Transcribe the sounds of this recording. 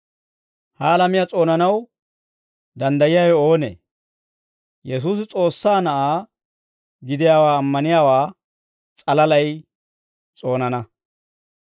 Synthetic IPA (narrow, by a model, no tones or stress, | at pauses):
hɐːlɐmɪjat͡sʼo̞ːnɐnɐw | d̪ɐnd̪ɐjɪjaːjɛo̞ːnḛː | jɛs̬uːs̬ɪt͡sʼo̞ːsːaːnɐʔaː | ɡɪd̪ɪjaːwaːɐmːɐnɪjaːwaː | t͡sʼɐlɐlɐj | t͡sʼo̞ːnɐnɐ